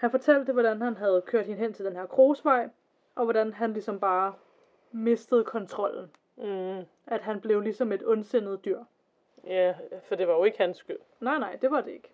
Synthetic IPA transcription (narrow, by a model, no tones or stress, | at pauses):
hænfɒ̽t͡sʰæl̰d̥əʋɒɾ̥ænhænɦæð̞̩ˠkʰøɐd̥hinɦen̰t͡sʰe̝ld̥enheɐkʰʁo̝ːsʋɑ̈ɪ̰ | ʔɒ̽ʋɒɾænɦænlisɒ̽mb̥ɑ̈ː | me̝sd̥əð̩ˠkʰɒ̽nt͡sʰʁɒ̽l̰n̩ | ʔæd̥ɦænb̥le̝ʊlisɒ̽me̝d̥ɔ̽nsen̰ð̞̩ˠd̥yɐ̰ | jæfɒd̥e̝ʋɑ̈jo̝e̝ɡ̥hænsːɡ̥yl̰nɑ̈ɪnɑ̈ɪ̰d̥e̝ʋɑ̈d̥e̝e̝ɡ̥ə